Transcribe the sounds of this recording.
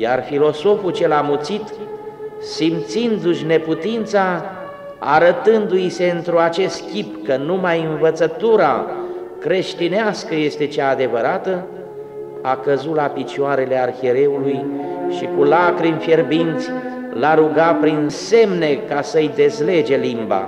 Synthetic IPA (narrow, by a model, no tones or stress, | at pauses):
jarfilo̞so̞fut͡ʃelamut̪sit̪ | simt̪sind̪uʃne̞put̪int̪sa | a̰ɾət̪ɨnd̪uise̞ɨnt̪ɾuat͡ʃe̞st̪kʲipkənumajɨnvət̪sət̪uɾa | kɾe̞ʃt̪ineaskəje̞st̪e̞t͡ʃaːd̪e̞vəɾat̪ə | akəzut̪lapit͡ʃuaɾe̞le̞arxeɾe̞ulujʃikulakɾimfjerbint̪sʲ | laɾuɡapɾinse̞mne̞kasəɨjd̪e̞zle̞d͡ʒe̞limba̰